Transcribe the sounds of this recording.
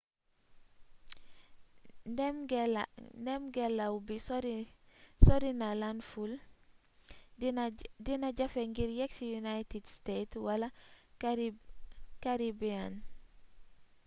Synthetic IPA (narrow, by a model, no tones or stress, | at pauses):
mɡndemɡelawbisɾ | soɾinalanful | dinaɟafeŋɡiɾjeksijunajtidstetwala | kaɾibian